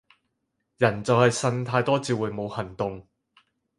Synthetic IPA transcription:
jɐ˨˩nt͡sɐ˨whɐ˨jsɐ˧nt̪ʰaː˧jt̪ɔː˥t͡siː˨˧wuː˨˩jmo˨˧whɐ˨˩nt̪ʊ˨ŋ

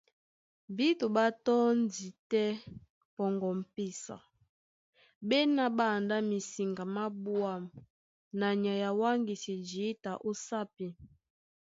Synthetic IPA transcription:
bi˦to˨ba˦tɔ˦n˦di˨tɛ˦ | pɔ˨ŋɡɔ˨m̩˨pi˦sa̰˨ | bɛ˦na˦ba˦˨nda˦mi˨si˨ŋɡa˨ma˦bu˦a˨m | na˨ɲa˨ja˨wa˦ŋɡi˨si˨d͡ʒi˨˦ta˨ʔo˦sa˦pi˦

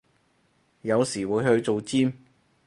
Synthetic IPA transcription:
jɐ˨˧wsiː˨˩wuː˨˧jhɵ˧ɥt͡ʃo˨wt͡siː˥m

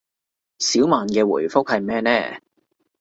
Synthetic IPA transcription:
siː˨˥wmaː˨nkɛː˧wṵː˨˩jfʊ˥k̚hɐ˨jmɛː˥nɛː˥˩

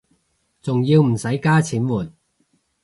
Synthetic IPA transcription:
t͡sʊ˨ŋjiː˧wm̩˨˩sɐ˨˥jkaː˥t͡sʰiː˨˥nwuː˨˩n

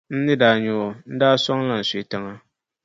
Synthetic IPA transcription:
n̩˦nɨ˦daː˨ɲʊ˨o˨n̩˦daː˦sɔ˦ŋla˨n̩˨sʊ˨tɨ˦ŋa˦

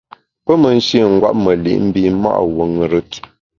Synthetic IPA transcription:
pə˦mə˨n̩˦ʃi˦˨ŋ̩˦ɡwa̰˦p̚mə˨lḭ˨ʔm̩˦bi˦ma̰˦ʔwə˨ŋ˨ɾə˦t

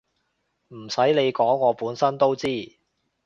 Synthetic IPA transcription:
m̩˨˩sɐ˨˥jle˨˧jkɔː˨˥ŋːɔː˨˧puː˨˥nsɐ˥nt̪o˥wt͡siː˥˩

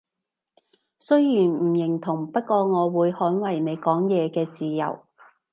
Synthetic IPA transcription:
sɵ˥ɥjiː˨˩nm̩˨˩jɪ˨˩ŋt̪ʰʊ˨˩ŋpɐ˥t̚kɔː˧ŋɔː˨˧wuː˨˧jhɔː˨˥nwɐ˨˩jne˨˧jkɔː˨˥ŋjɛː˨˧kɛː˧t͡siː˨jɐ̰˨˩w

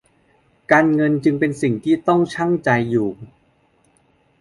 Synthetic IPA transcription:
kaː˧nŋɤ˧nt͡ɕɯ˧ŋpe˧nsi˨˩ŋt̪ʰiː˥˩t̪ɔ˥˩ŋt͡ɕʰa˥˩ŋt͡ɕa˧jːuː˨˩

